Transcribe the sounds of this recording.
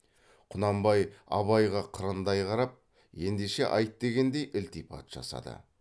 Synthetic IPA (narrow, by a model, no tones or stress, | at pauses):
qʰʊnɑmbɑjɑ̰βɑjʁɑqʰəɾənd̪ɑjqʰɑɾɑp̚ | je̞nd̪eʃe̞ʔɑjt̪d̪e̞ɡʲe̞nd̪e̞jʔɪlt̪ipʰɑ̰t̪ʒ̥ɑ̰sɑ̰d̪ə̰